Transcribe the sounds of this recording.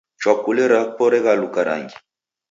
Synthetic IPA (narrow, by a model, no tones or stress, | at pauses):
t͡ʃwakulɛɾapɔɾɛɣalukaɾa̰ŋɡi